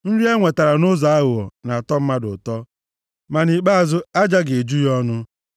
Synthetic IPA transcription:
n̩˦ɾi˦e˦ŋʷe˨ta˨ɾa˨nʊ˦za˨a˦ɣʊ˨ɔ̰˨na˨a˨tɔ˦m̩˦ma˦dʊ˨tɔ˦ | ma˨ni˨k͡pa˦a˨zʊ˦a˦d͡ʒa˦ɡe˨e˨d͡ʒu˦jɔ˦nʊ˦

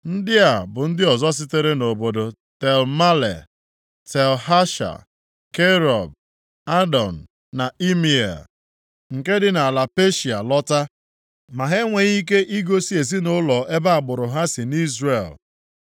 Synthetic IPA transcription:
n̩˦dɪ˦a˨bʊ˨n̩˦dɪ˦ɔ˨zɔ˦s̬ɪ˦te˦ɾe˦no˨bo˨do˨ | te˨lma˦lḛ˨ | te˨lɦa˦ʃa̰˨ | ke˦ɾɔ˨b̚ | a˦dɔ˨n̩˨ | na˨i˦mi˨ḛ˨l | ŋ̩˨ke˦dɪ˦na˨la˨pe˦ʃi˨a˨lɔ˦ta˦ | ma˨ɦe˦ŋʷe˨ɣi˦k̬e˦ʔi˦ɡo˦si˦e˨si˦nʊ˦lɔ˨e˦ba˦a˨ɡ͡bʊ˨ɾʊ˨ɦa˦sɪ˨ni˦zre˨l

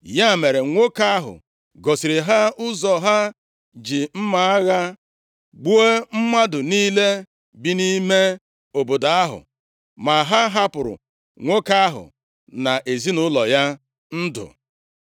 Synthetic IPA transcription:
ja˦˨me˨ɾe˨ŋʷo˦ka˦ɦʊ̰˨ | ɡɔ˨si˨ɾe˨ɦa˦ʊ˦zɔ˨ɦa˦ | d͡ʒi˨m̩˦ma˨a˦ɣa˦ | ɡ͡bu˦e˦m̩˦ma˦dʊ˨niː˦le˦ | bi˦ni˦me˦ | o˨bo˨da˨a˦ɦʊ̰˨ | ma˨ɦa˦ɦa˦pʊ˨ɾʊ̰˨ | ŋʷo˦ka˦ɦʊ̰˨ | na˨ʔe˨zi˦nʊ˦lɔ˨ja˦ | n̩˦dʊ̰˨

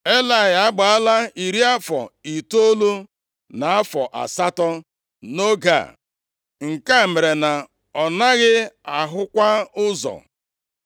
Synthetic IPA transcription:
e˦la˨ɪ˨a˦ɡ͡ba˨a˦la˦i˨ɾi˦a˦fɔ̰˨i˨to˦lu˦ | na˨a˦fɔ˨ʔa̰˨sa˦tɔ˦ | no˦ɡa̰˨ | ŋ̩˨ka˦˨me˨ɾe˨na˨ | ɔ˨na˦ɣɪ˦a˨ɦʊ˦kʷa˦ʊ˦zɔ̰˨

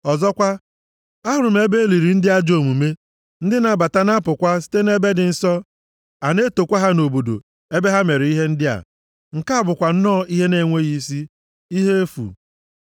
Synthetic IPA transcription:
ɔ˨zɔ˦kʷa˦ | a˦ɦʊ˨ɾʊ˨m̩˦e˦be˦e˦li˨ɾi˨n̩˦dɪ˦a˦d͡ʒo˨mu˨me˦ | n̩˦dɪ˦na˨ba˨ta˦na˦pʊ˨kʷa˦si̥˦te˦ne˦be˦dɪ˨n̩˨sɔ˦ | a˨ne˦to˨kʷa˦ɦa˦no˨bo˨do̰˨ | e˦be˦ɦa˦me˨ɾɪ˨i˦ɦe˦n̩˦dɪ˦a̰˨ | ŋ̩˨ka˦a˦˨bʊ˨kʷa˨n̩˦nɔ˦˨i˦ɦe˦ne˦˨ŋʷe˦ɣi˦si˦ | i˦ɦe˦e˦fṵ˨

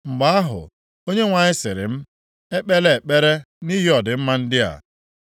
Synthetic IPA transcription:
ŋ͡m̩˨ɡ͡ba˦a˦ɦʊ̰˨ | o˦ɲe˦ŋʷa˨ɲɪ˦sɪ˨ɾɪ̰˨m̩˦ | e˦k͡pe˦le˦e˨k͡pe˦ɾe˦ | ni˦ɦi˦ɔ˨dɪ˨m̩˦ma˦n̩˦dɪ˦a̰˨

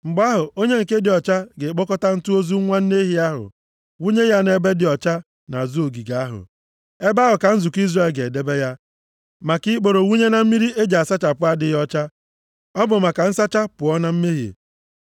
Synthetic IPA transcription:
ŋ͡m̩˨ɡ͡ba˦ɦʊ˨o˦ɲe˦ŋ̩˨ke˦dɪ˨ɔ˨t͡ʃa˦ɡe˨k͡po˦kɔ˦ta˦n̩˦tu˦o˦zu˦ŋʷa˦n̩˦ne˦ɦi˨a˦ɦʊ̰˨ | wu˦ɲe˦ja˦ne˦be˦dɪ˨ɔ˨t͡ʃa˦ | na˨zu˦o˨ɡi˨ɡa˨a˦ɦʊ̰˨ | e˦ba˦ɦʊ˨ka˨n̩˦zʊ˨ki˦zra˨lɡe˨de˦be˦ja˦ | ma˨ki˦k͡po˨ɾo˨wu˦ɲe˦na˨m̩˦mi˦ɾi˦e˦d͡ʒa˨a˨sa˦t͡ʃa˨pʊ˦a˦dɪ˦jɔ˦t͡ʃa˦ | ɔ˦bʊ˨m̩a˨ka˨n̩˦sa˦t͡ʃa˦pʊ˨ɔ˦na˦m̩˦me˦ɦḛ˨

